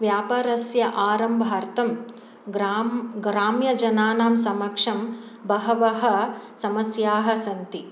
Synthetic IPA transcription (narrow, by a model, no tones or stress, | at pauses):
ʋjaːpaːɾɐsjɐʔaːɾɐmbʱaːɾt̪ɐm | ɡɾaɡɾaːmjɐd͡ʒɐnaːnaːmsɐmɐkʂɐm | bɐɦɐʋɐɦɐ̆sɐmɐsjaːɦɐ̆sɐnt̪i